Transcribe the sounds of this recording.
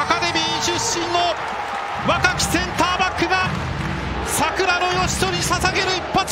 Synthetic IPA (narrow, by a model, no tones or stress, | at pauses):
akad̪e̞mʲiːɲiɕɨɕːĩnːo̞ | βakakʲi̥sẽ̞nt̪aːbakːɯ̟ɡa | sakɯ̟ɾano̞jo̞ɕi̥t̪o̞ɾʲisasaɡe̞ɾɯ̟ipːat͡s